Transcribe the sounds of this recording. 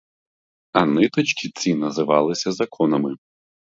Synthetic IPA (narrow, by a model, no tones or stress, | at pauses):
ɐnɪt̪ɔt͡ʃkʲit͡sʲinɐzɪʋɑlˠɪsʲɐzɐkʰɔnɐmɪ